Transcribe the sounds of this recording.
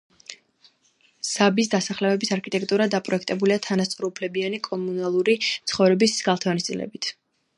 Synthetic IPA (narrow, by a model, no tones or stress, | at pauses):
z̥abisd̪asaχlɛɛbisaɾkʰit̪ʼɛk̚ʰʼt̪ʼuɾad̪apʼɾɔɛkʰt̪ʼɛbuliat̪ʰanast̪sʼɾɔupʰlɛbianikʼɔmunalˠuɾit̪sʰχɔvɾɛbisɡalˠt̪ʰɛɔnist̪sʼḭlɛ̰bit̪ʰ